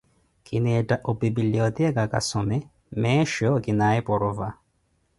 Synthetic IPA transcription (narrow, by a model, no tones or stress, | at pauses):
kʰɪnɛtaʔɔbibiliɔt̪ɛkaka̰sɔmɛ | mɛːʃɔkɪnaɛpɔɾɔva